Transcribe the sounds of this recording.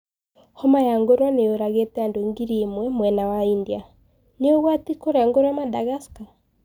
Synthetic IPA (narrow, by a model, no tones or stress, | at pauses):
hɔmajaŋɡoɾwaneoɾaɣetɛandoŋɡiɾimwɛmwɛnawaindia | neoɣwatikoɾaŋɡoɾoamadaɣaska